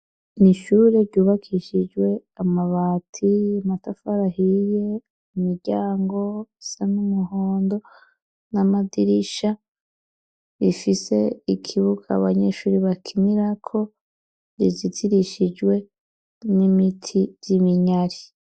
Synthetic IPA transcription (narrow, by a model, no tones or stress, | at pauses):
niʃuːɾeɾɟuːβakʰiʃid͡ʒwe̞amaβaːtʰimatafaɾahije̞ | umiɾɟaːŋɡo̞sanumuɦo̞ːndo̞ | namadiɾiʃa | βifise̞ikʰiβuɡa̰βaɲe̞ʃuːɾiβakʰiniɾakʰo̞ | ɾizitʰiɾiʃid͡ʒwe̞ | nimitʰijimiɲaɾi